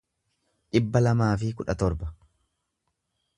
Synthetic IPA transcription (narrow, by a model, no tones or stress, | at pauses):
ᶑɪbːɐlɐmaːfɪkʊᶑɐt̪ɔɾbɐ̥